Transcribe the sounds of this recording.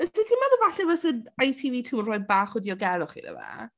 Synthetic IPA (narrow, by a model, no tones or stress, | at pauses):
əsitʰimaðəvaɬɛvɛsənajtʰiviːtʰuːənrɔɨd̚baːχwɛdiɔɡɛɾʊχḭnə̰va̰